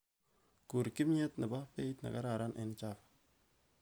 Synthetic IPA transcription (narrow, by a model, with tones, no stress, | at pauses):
ku˨ɾki˦mɲe˦tna˨ba˦pe˦i˦t̪na̰˨ka˦ɾa˨ɾa˦nʔɪ˨nt͡ʃa˦f